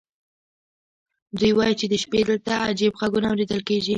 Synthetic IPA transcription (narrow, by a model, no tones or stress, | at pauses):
d̪ujwɑjit͡ʃed̪əʃped̪əlt̪aad͡ʒibɣaɡunawɾed̪əlkeʒi